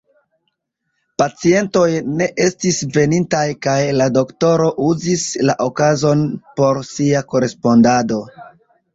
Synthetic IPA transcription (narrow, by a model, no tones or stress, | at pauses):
pat͡sie̞nto̞jne̞ʔe̞stisve̞nintajkajlado̞kto̞ɾo̞ʔuzislaʔokazo̞npo̞ɾsiako̞ɾe̞spo̞ndado̞